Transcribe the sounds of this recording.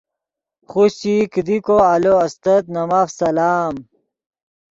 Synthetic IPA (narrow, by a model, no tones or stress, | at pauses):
χusikd̪ikoaloɐst̪ɐt̪nɐmafsɐlaːm